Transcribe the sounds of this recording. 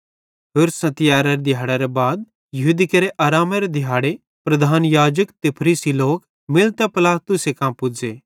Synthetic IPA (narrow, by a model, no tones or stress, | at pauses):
ɦeːɾsɐ̃t̪ɪjaːɾɐɾed̪ʱɪjaːɽɛɾɛbaːd̪̚ | jɐɦuːd̪ikɐɾeʔaːɾaːmɐɾed̪ʱɪjaːɽe | pɾɐd̪ʱaːnjaːd͡ʒəkt̪epʰɾiːsiloːk | mɪlt̪ɛpɪlaːt̪ʊsekãːmpʊd͡ʒeː